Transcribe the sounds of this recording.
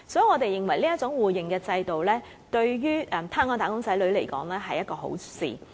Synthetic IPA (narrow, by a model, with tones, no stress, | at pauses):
sɔː˨˥˩ŋɔː˨˧t̪e˨jɪ˨ŋwɐ˨˩jliː˥jɐ˥t̚t͡sʊ˨˥ŋwuː˨˩jɪ˨ŋkɛː˧t͡sɐ˧jt̪o˨wlɛː˥ | t̪ɵ˧ɥjyː˥ʔɛ˨mt̪ʰaː˥nŋɔː˧˩t̪aː˨˩kʊ˥ŋsɐ˨˥jlɵ˨˥ɥle˨˩jkɔ̰ː˨˥ŋlɛː˥ɦɐ˨jɐ˥t̚kɔː˧ɦo̰˨˥wsḭː˨